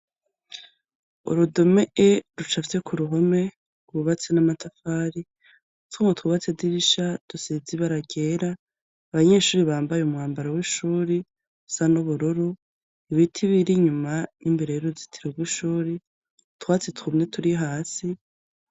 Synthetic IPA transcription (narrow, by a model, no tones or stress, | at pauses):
ṵɾudo̞meʔeɾut͡ʃafi̥t͡se̞kʰuɾuɦo̞me̞ | ɡuβat͡senamatafaːɾi | tʰumŋotwuβat͡sediβiʃad̥usiziβaɾaɡe̞ːɾaː | βaɲe̞ːʃuːɾiβaːmbajeumŋaːmbaɾawiʃuːɾi | usanuβuɾuɾu | iβitʰiβiɾiɲumanimbeɾejeɾozitʰiɾoɡwiʃuːɾi | twaːt͡setumɲe̞tʰuɾiɦaːsi